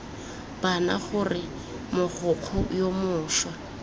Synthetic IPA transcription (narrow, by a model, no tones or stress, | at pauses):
b̥ana̰χʊrɪ | mʊχʊq͡χʰʊjomʊːʃwa